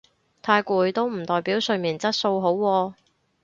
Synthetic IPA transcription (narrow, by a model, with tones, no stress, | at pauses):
t̪ʰaː˧jkʷuː˨˧jt̪o˥wm̩˨˩t̪ɔː˨jpiː˨˥wsɵ˧miː˨˩nt͡sɐ˥t̚so˧wɦo˨˥wːɔː˧